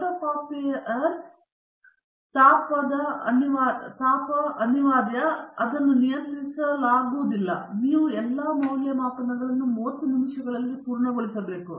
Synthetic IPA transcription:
ɾɐpaːpijɐʔɐɾ | t̪aːpɐd̪ɐɐ̰niʋaːt̪aːpɐʔɐniʋaːd̪jɐɐd̪ɐnːunijɐnt̪ɾisɐlaːɡuːd̪ilːɐ̰niːʋuɛlːaːmɐwljɐmaːkɐnɐɡɐɭɐnːumoːt̪inimʃjɐɡɐɭɐlːipuːɾɳɐɡoɭisɐbe̞ːku

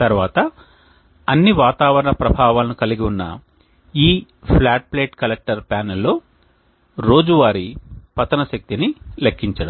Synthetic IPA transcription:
t̪ɐɾʋaːt̪ɐ | ɐnːiʋaːt̪aːʋɐɾɐɳɐpɾɐbʱaːʋaːlɐnukɐliɡiunːɐ̰ | iː | pʰlaːʈ̚ple̞ːʈkɐlek̚ʈɐɾpaːnelːo̞ː | ɾo̞ːd͡ʒuʋaːɾipɐt̪ɐnɐʃɐk̚t̪inilekːiɲt͡ʃɐɽɐm

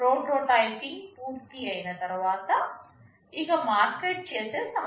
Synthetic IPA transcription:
ɾoːɖɾoːʈajpiŋpuːɾt̪iɐjinɐt̪ɐɾuʋaːt̪ɐ | iɡɐmaːɾkeːʈ̚t͡ʃe̞ːseːsɐ

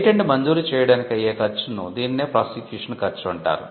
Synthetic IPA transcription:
ʈeɳɖmɐɲd͡ʒuːɾit͡ʃɛːjɐɽaːnikɐjeːkɐt͡ʃːunud̪iːnineːpɾaːsikjuːʂɐnkɐɾt͡ʃːuɐɳʈa̰ːɾṵ

